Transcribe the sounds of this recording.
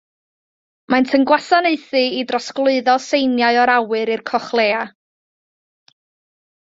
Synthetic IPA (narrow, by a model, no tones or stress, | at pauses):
mantʰəŋɡwasaneɨθɨidrɔsklˠʊɨðɔsejnjaɨɔɾawɨɾɨrkʰɔχlˠeːa